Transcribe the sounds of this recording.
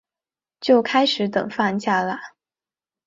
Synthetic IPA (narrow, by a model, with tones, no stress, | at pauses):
t͡ɕjo˥˩ʊkʰa˥ɪʂɻ̩˨˧˥t̪ɤ̰˨˩ŋfa˥˧nɕja˥˩lə˩